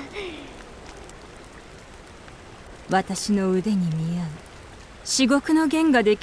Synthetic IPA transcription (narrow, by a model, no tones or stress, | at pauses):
βat̪aɕino̞ɯd̪e̞ɲ̟imʲiaɯ | ɕiɡo̞kɯ̟no̞ɡẽ̞ŋɡad̪e̞kʲ